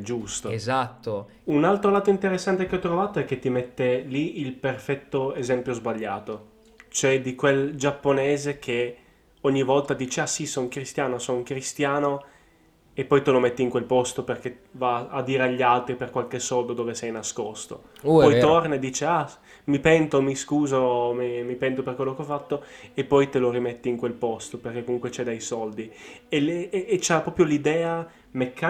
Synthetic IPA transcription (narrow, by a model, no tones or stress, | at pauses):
d͡ʒust̪oezat̪ːo | unalt̪ɾolaːt̪oint̪eɾesːant̪ek̟eɔt̪ɾovaːt̪oɛk̟ːet̪ːimet̪ːeliilperfɛt̪ːoezɛmpjozbaʎːaːt̪o | t͡ʃoɛd̪ikweld͡ʒapːonɛːzekʰe | ɔɲːivɔlt̪ad̪iːt͡ʃeasisɔŋkɾist̪jaːnosɔuŋkɾist̪jaːno | epːɔjt̪elomet̪ːiːŋkwelpɔst̪operk̟evaad̪ːiːɾeaʎːialt̪ɾiperkwalkesːɔld̪od̪oːvesɛjnaskost̪o̰pɔjt̪ornaed̪ːiːt͡ʃea | mipɛnt̪omiskuːzomimipɛnt̪operkwelːokeɔfat̪ːoepːɔjt̪eloɾimet̪ːiːŋkwelpɔst̪operkekomuŋkwet͡ʃɛd̪ajsɔld̪ieːt͡ʃapːɾɔːpɾjolid̪ɛːa | mekːa